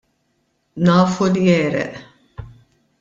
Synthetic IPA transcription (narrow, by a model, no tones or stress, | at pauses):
nɐːfulijɛːɾɛ̰ʔ